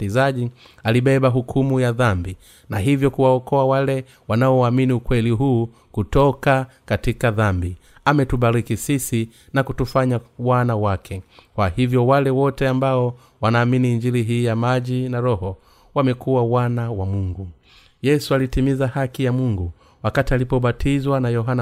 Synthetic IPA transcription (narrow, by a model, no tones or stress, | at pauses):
zaʄi | aliɓɛɓaɦukʰumujaðambi | naɦivjɔkuwaɔkɔawalɛ | wanaɔwaminiukwɛliɦuː | kutɔkakatikaðambi | amɛtuɓaɾikisisi | nakutufaɲawanawakʰɛkwahivjɔwalɛwɔtɛambaɔ | wanaːminiːɲd͡ʒiliɦiːjamaʄinaɾɔhɔ | wamɛkuwawanawamuŋɡu | jɛsualitimizahakijamuŋɡu | wakatialipɔɓatʰizwanajɔɦana